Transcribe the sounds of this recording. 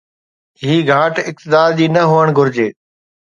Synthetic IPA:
ɦiːɡʱãːʈɪk̚t̪ɪd̪aːɾd͡ʑiːnɐɦoːəɽ̃ɡʱʊɾɪd͡ʑeː

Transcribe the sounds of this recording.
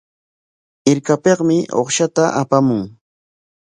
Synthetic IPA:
ɪɾkapeqmɪʔo̰χʃat̪aʔapamʊŋ

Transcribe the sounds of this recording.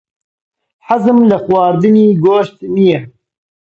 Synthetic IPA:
ħazɨmlɨxwɑːɾd̪ɨniːɡoːʃt̪mijɛ

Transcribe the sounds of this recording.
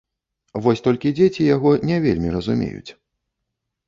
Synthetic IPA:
vɔsʲt̪ɔlʲkʲid͡zʲet͡sʲijaɣɔnʲɛvʲḛlʲmʲiɾɐzumʲḛjṵt͡sʲ

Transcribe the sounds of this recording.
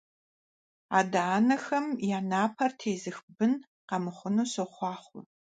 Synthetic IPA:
a̰ːdaːnɐxɐmjaːnaːpʰɐrtʰeːzɨxbɨn | qɐmɨχʷʊnuːsoχʷɑːχʷʊ̰

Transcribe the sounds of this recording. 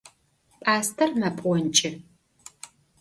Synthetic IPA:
pʼaːstʰɐrmɐpʼʷɔnt͡ʃʼɪ

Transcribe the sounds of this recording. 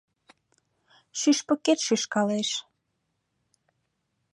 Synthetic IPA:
ʃyʃpə̆ket̪ʃyʃkɑleʃ

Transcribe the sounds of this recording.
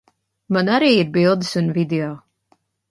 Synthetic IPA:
manaɾiːiɾbilˠd̪ɨsunvid̪eɔ

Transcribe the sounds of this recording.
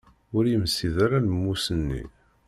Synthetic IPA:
ʊɾjəmsːiðaɾanəmːusənːḭ

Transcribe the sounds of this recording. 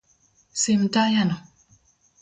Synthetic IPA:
semtajanɔ

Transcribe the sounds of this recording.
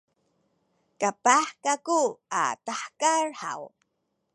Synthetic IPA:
kapaħkakua̰taħkarha̰w

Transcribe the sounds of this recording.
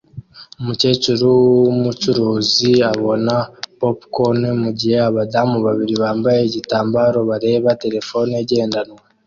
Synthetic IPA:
umuce̞cuɾuwwumut͡ʃuɾoːziaβo̞napopkonemuɟihe̞aβadamuβaβiɾiβaːmbajeɟitaːmbaɾo̞βaɾe̞ːβate̞ɾe̞fo̞neɟe̞ːndanwa

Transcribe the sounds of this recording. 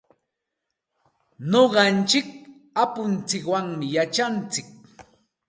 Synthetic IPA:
noɢɑnt͡ʃɪk̚ | apʊnt͡sɪkwaŋmɪjat͡ʃant͡sɪk̚

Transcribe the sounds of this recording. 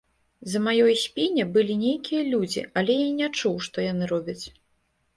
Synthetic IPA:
zɐmajɔjsʲpʲinʲɛbɨlʲinʲejkʲijɐlʲud͡zʲḭɐlʲɛjanʲat͡ʂuwʂt̪ɔjanɨɾɔbʲɐt͡sʲ

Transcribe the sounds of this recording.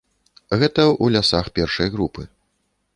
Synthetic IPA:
ɣɛt̪ɐulʲasaxpʲɛrʂɐjɣɾupɨ

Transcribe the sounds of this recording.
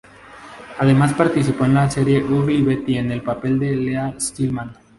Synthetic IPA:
að̞e̞maspaɾt̪is̬ipo̞enlaseɾje̞ʔuɣliβet̪iene̞lpape̞ld̪e̞least̪ilmãn

